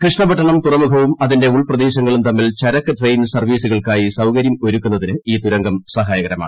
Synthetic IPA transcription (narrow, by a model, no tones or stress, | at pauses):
krɨʂɳɐbɐʈːɐɳɐmt̪urɐmukʰɐʋumɐðinde̞uɭprɐd̪eːɕɐŋːɐɭumt̪ɐmːilt͡ɕɐɾɐkːɨʈrejnsɐrʋiːsuɣɐɭkaːjisɐwkɐɾjɐmoɾukːunːɐðinɨiːt̪uɾɐŋɡɐmsɐɦaːjɐɣɐɾɐma̰ːɳ